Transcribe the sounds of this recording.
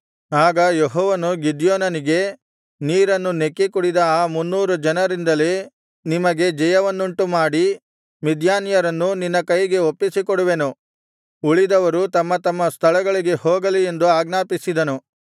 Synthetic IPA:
aːɡɐjeɦɔːʋɐnuɡid̪joːnɐniɡe̞ | niːɾɐnːunekːikuɽid̪ɐaːmunːuːɾud͡ʒɐnɐɾind̪ɐle | nimɐɡe̞d͡ʒɛjɐʋɐnːuɳʈumaːɽi | mid̪ʱjaːnjɐɾɐnːuninːɐkɐjɡe̞opːisikoɽuʋe̞nu | uɭid̪ɐʋɐɾut̪ɐmːɐt̪ɐmːɐst̪ʰɐɭɐɡɐɭiɡe̞hoːɡɐlie̞nd̪uaːɡnaːpisid̪ɐnu

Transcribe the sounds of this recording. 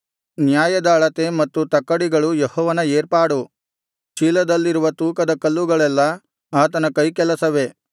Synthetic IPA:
njaːjɐd̪aːɭɐt̪e̞mɐt̪ːut̪ɐkːɐɽiɡɐɭujehɔːʋɐnɐeːɾpaːɽu | t͡ʃiːlɐd̪ɐlːiɾuʋɐt̪uːkɐd̪ɐkɐlːuɡɐɭɛlːɐ | aːt̪ɐnɐkɐjkɛlɐsɐʋe̞

